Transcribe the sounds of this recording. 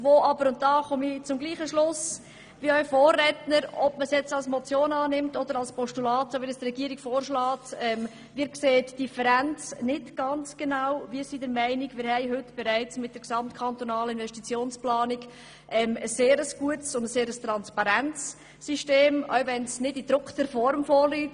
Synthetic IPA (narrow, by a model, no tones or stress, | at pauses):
voʔɑbəɾʊnt̚d̥ɑːχɔmit͡sʊmɡliːχəʃlʊs | viœʏfoːrːɛtnəɾɔbməsjɛt͡sɑlsmɔt͡sjoːnɑːnɪmtɔd̥əɾɑlspɔʃtulɑːtsoʋɪnəstrɛɡiəɾikfoːɾʃlɑːtɛm | vɪːɾkseːtd̥ifəɾænt͡snɪtɡ̥ɑnt͡sɡ̥enawviːsidəɾmɛɪnɪɡmɪːɾhɛɪɦʏtb̥ɛɾæɪt͡smɪt̚d̥əɾksɑmtkʰɑntonɑːləɪnvɛʃtit͡sjoːnsplɑːnik | ʔɛməsːeːɾəsɡ̥uətsʊndəseːɾəst̪ɾɑnspɑɾænt͡sː | iʃteːmœ̰ɥvɛnsnɪdid̥ɾʊkʰtəɾfɔɾmfoːɾlyːt